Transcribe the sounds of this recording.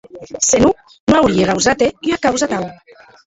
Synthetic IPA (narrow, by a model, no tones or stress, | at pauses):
senu | noawɾieɣawzat̪eyakawzat̪aw